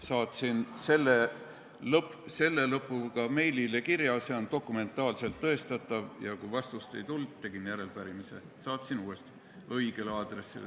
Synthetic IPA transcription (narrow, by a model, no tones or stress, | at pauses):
sɑːt̪sinse̞lːe | lɤpse̞lːe̞lɤpːˑukɑme̞jlile̞kiɾjɑse̞o̞nt̪o̞kːˑume̞nt̪ːˑɑːlse̞lt̪ːɤ̞est̪ɑt̪ˑːɑvjɑkujvɑst̪ust̪e̞jt̪ult̪t̪ːe̞ɡ̥injæɾe̞lpæɾimise̞̰ | sɑːt̪sinuːe̞st̪i̥ | ɤjɡ̥e̞leɑːd̪̥re̞sːḭl